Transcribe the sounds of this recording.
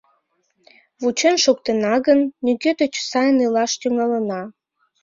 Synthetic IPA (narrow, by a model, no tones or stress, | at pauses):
βut͡ɕenʃok̚t̪ənɑɣənːykøt̪et͡ɕsɑjənilɑʃt̪yŋɑlənɑ